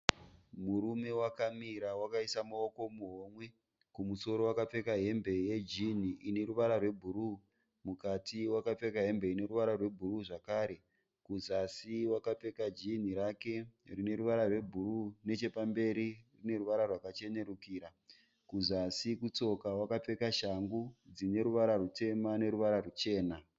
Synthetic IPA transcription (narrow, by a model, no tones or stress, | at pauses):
muɾume̞wakamiɾawakaisamaoko̞muɦomwe̞ | kumuso̞ɾo̞wakap͡fe̞kaɦe̞mbe̞jed͡ʒin̤iine̞ɾuʋaɾarwe̞bʱuɾu | mukatʰiwakap͡fe̞kaɦe̞mbe̞ine̞ɾuʋaɾarwe̞bʱuruʐakaːɾe̞ | kuzasiwakap͡fe̞kad͡ʒin̤iɾake̞rine̞ɾuʋaɾarwe̞bʱurune̞t͡ʃe̞pambe̞ɾirine̞ruʋaɾarwakat͡ʃe̞ne̞ɾukiːɾa | kuzasikut͡so̞kawakap͡fe̞kaʃaŋɡud͡zine̞ɾuʋaɾarute̞mane̞ɾuʋaɾarut͡ʃe̞ːna